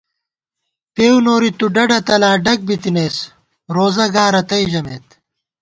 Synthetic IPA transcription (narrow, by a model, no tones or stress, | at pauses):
peːwnoːɾit̪uɖɐɖɐt̪ɐlaːɖɐk̚bit̪ineːs | ɾoːzɐɡaːɾɐt̪ɐiʑɐmeːt̪